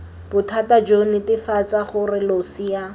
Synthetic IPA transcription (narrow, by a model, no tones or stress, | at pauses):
b̥ʊtʰatad͡ʒonɪtɪfat͡saχʊrɪlosija